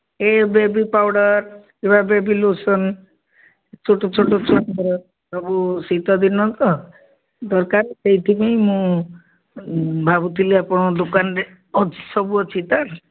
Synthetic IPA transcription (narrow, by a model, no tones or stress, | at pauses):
ebebipawɽɔɾ | ebabebilosɔn | t͡ʃʰoʈot͡ʃʰoʈot͡ʃʰɔnkɔɾɔ | bʱabusit̪ɔd̪inɔt̪ɔ | d̪ɔɾkaɾsejt̪ʰibeĩmũ | bʱabut̪ʰiliapɔɽ̃ɔd̪okanɾe | ɔt͡ʃʰi̥sɔbuɔt͡ʃʰit̪aɾ